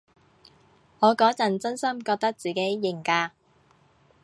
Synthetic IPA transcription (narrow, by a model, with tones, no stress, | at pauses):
ŋɔː˨˧kɔː˨˥t͡sɐ˨˩nt͡sɵ˥nsɐ˥mkɔː˧k̚t̪ɐ˥k̚t͡siː˨˩ke˨˥jːɪ˨˩ŋkaː˧